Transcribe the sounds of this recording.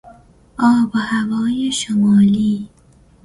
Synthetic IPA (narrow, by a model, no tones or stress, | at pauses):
ʔɒːbɔhævɒːjeʃomɑːliː